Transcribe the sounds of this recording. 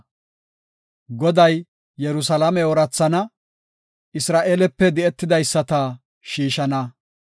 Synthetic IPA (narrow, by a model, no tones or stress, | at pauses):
ɡɔd̪ɐjː | ɛɾʊsɐlamɛɔɾɐt͡sːɐnɐ | ɪsɾaːʔeːlɛpːɛd̪ɪɛt̪ːɪd̪ɐjsːɐt̪ɐ | ʃiːʃɐnɐ